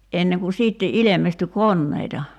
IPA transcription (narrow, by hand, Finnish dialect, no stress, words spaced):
enːeŋ ku siːtːe ilemestyː konːeitɑ